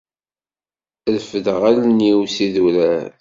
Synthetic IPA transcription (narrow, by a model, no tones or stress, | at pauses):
lfəðʁælniwsiðulæ